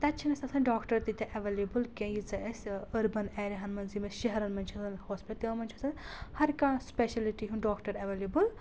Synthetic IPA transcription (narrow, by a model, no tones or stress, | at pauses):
t̪ɐt͡ʃʰinɐsɐsɐnɖɔːkʈɐɾt̪it̪ʲɐ̃ʔɐʋelebɨlkẽjit͡sɐɐsʲɐɾbɐnɛːɾeɦɐnmɐnzimɐsʃɐɦɐɾɐnmɐnt͡ʃʰɐsɐnhoːspit̪ɐɐmɐnʲt͡ʃʰɐsɐnhɐɾkãspeʃɐliʈiɦũnɖɔːkʈɐɾɐʋelebul